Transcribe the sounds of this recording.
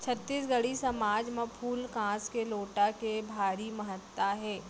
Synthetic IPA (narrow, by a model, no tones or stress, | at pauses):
t͡ʃʰət̪ːiːsɡəɽisɐmaːd͡ʒmẽpʰuːlkãːskeloːʈakebʱaːɾimɐɦət̪ːaɦɛː